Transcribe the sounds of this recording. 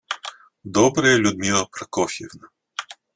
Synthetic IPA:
d̪ɔbɾɐjɛlʲʊd̪mʲilˠɐpɾɐkɔfʲɛvna

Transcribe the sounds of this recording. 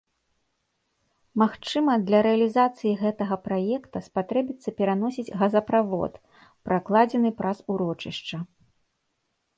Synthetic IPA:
maxt͡ʂɨmɐd̪lʲɐɾɛɐlʲizat̪sɨjiɣɛt̪ɐɣɐpɾajɛkt̪ɐspat̪ɾɛbʲit̪sːɐpʲɛɾanɔsʲid͡zʲɣɐzɐpɾavɔ̰t̪ | pɾʔaklˠad͡zʲɛnɨpɾʔasuɾɔt͡ʂɨ̰ʂt͡ʂɐ

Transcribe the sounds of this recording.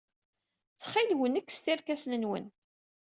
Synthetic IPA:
t͡sːχɪlwənækːst̪iɾkæsnənwə̰n

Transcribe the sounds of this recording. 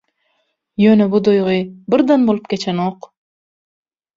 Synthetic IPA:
jønebʊd̪ojʁʊjbɪɾd̪ɑnbolˠupkʲet͡ʃʰɛnoq

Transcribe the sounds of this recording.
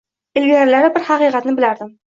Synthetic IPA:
ɪlɡʲaɾlaɾɪbɪɾhɑqiqɑt̪nɪbɪlaɾd̪ɪm

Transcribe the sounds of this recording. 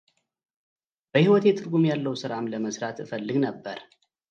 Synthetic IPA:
b̥əhiwɔt̪jɛt̪ʰɨɾɡumjalːəwsɨɾamləməsɾat̪ɨfəlːɨɡnəbːəɾ

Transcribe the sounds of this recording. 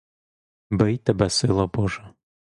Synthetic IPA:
bɪjt̪ɛbɛsɪlˠɔbɔʒɛ

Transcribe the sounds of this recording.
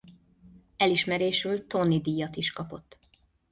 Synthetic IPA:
ɛliʃmɛɾeːʃylt̪o̞nːid̪iːjɒt̪iʃkɒpo̞t̪ː

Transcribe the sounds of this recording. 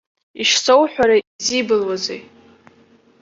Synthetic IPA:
iʃsʰowħʷᶣaɾaizibɨlwazḛj

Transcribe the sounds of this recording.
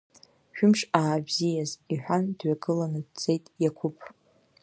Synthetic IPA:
ʃᶣʊmʂʼaːbzijaziħʷᶣandɥaɡʼɨlanɨt͡sʼe̞jtʼjakʷʰʊpʼʰ

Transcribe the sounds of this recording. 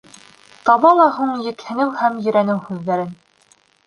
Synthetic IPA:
t̪ɑβɑlˠɑɦuɴjɘ̆khɘ̆nɘwhæmjɵ̆ɾænɘwhʉðːæɾɘn

